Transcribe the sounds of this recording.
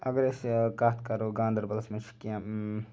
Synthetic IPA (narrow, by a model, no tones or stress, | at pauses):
ɐɡəɾeskaːt̪ʰkɐɾoːɡãːnd̪əɾbɐlɐsmɐt͡ʃʰi̥kiã